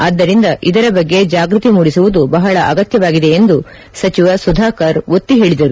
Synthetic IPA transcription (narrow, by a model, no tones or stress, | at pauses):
ɐːd̪ːɐɾind̪ɐʔid̪ɐɾɐbɐɡːe̞d͡ʒaːɡɾut̪imuːɽisuʋud̪ubɐɦɐɭɐʔɐɡɐt̪jɐʋaːɡid̪e̞ːnd̪u | sɐt͡ʃiʋɐsud̪ʱaːkɐɾut̪ːiɦe̞ːɭid̪ɐɾu